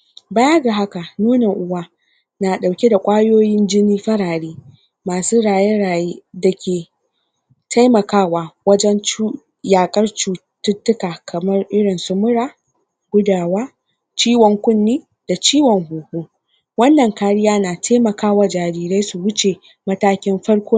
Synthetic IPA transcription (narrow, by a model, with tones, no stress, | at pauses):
baː˦jɐ˦ɡa˨ɦa˦ka˨nuː˦ne˨ŋʔʊ˦waː˦ | na˨ɗa˨wkʲe˦da˨kʷʼaː˦joː˦jɪ˦nd͡ʒɪ˦niː˦ɸɐ˦ɽaː˨ɽeː˦ | maː˨suː˦ɽaː˨je˦ɽaː˨jda˨kʲeː˨ | tʰa˦jmɐ˨kaː˦waː˨wɐ˦d͡ʒɛ˦nt͡ʃu˦ | jaː˨kʼɐ˦rt͡ʃuː˦˨ | tʊ˦tːʊ˦kaː˨kʰɐ˨mɐ˦rʔɪ˦ɽɪ˨nsʊ˦mʊ˦ɽaː˦ | ɡ̥ʷʊ˦daː˨waː˦ | t͡ʃiː˦wɔ˨ŋkʷʊ˦nːiː˦ | d̥a˨t͡ʃiː˦wɔ˨ŋhuː˨hoː˦ | wɐ˦nːɐ˨ŋkaː˦ɽɪ˦jaː˦naː˨tʰa˦jmɐ˨kaː˦wa˨d͡ʒaː˨ɾiː˨ɾe˦jsu˨wʊ˦t͡ʃe˨ | mɐ˦taː˦kʲɪ˦mɸɐ˦ɽkʷoː˦